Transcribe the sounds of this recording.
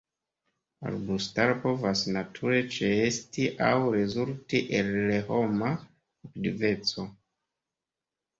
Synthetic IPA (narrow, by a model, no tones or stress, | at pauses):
a̰ɾbustaɾpo̞vasnatʰuɾe̞t͡ʃeestiʔawɾe̞zultiʔelːeho̞ma | aktive̞t͡so̞